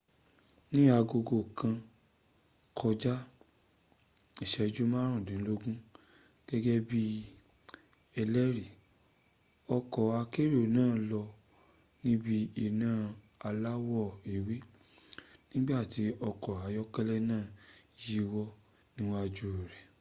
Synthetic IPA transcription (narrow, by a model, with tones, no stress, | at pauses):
nĩ˦a˧ɡo˧ɡo˧˨kã˧ | kʰɔ˧d͡ʒa˦ | i˨ʃɛ˨˧d͡ʒu˦mã˦ɾ̃ũ˦˨dĩ˨˦lo˦ɡũ˦ | ɡ̥ɛ˦ɡɛ˦bi˦ | ɛ˧lɛ˦ɾi˨ | ɔ˧kɔ˨a˧ke˦ɾo˦˨nãː˦˨lɔ˧ | nĩ˦bi˧i˨nãː˦˨ | a˧la˦wɔ˦˨i˨wi˦ | nĩ˦ɡ͡ba˦˨ti˧˦ɔ˧kɔ˨a˨jɔ˦kɛ˦lɛ˦nãː˦˨ji˦˧wɔ˧ | nĩ˦wɔ̃˦a˧d͡ʒo˦˨ɾɛ˨